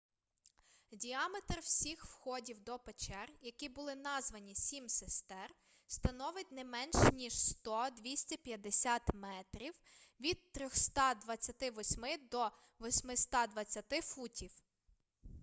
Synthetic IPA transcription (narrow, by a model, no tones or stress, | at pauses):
dʲiɑmet̪rwsʲixwxɔdʲiwd̪ɔpet͡ʃɛrjɐkibʊlˠɪnɑzʋɐnʲisʲimsest̪ɛr | st̪ɐnɔʋɪt̚ʲnɛmɛnʃnʲiʒst̪ɔd̪ʋʲisʲtʲɛpʲjɐd̪esʲat̪mɛt̪ɾʲiwʋʲid̪̚t̪ɾʲɔxst̪ɑd̪ʋɐt͡sʲːɐt̪ɪʋɔsʲmɪd̪ɔ | ʋɔsʲmɪst̪ɑd̪ʋɐt͡sʲːɐt̪ɪfutʲiw